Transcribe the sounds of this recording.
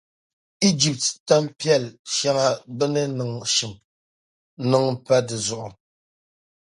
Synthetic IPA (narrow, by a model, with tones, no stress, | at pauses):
i˦d͡ʒi˨p̚tta˦mpjɛ˦˨lʃa˦ŋa˦bɨ˦nɨ˦nɨ˨ŋʃi˨m | nɨ˦ŋ̩˨˦pa˦dɨ˨zʊ˨ʔʊ˨